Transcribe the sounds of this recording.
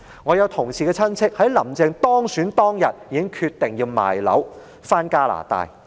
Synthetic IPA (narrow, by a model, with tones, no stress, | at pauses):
ŋɔː˨˧jɐ˨˧wt̪ʰʊ˨˩ŋsiː˨kɛː˧t͡sʰɐ˥nt͡sʰɪ˥k̚hɐ˨˥jlɐ˨˩mt͡sɪ˧ŋt̪ɔː˥ŋsyː˨˥nt̪ɔː˥ŋjɐ˨t̚jiː˧kɪ˥ŋkʰyː˧t̪ːɪ˨ŋjiː˧wma̰ː˨˩jlɐ̰˨˥w | faː˥nkaː˥la̰ː˨˩t̪a̰ː˧j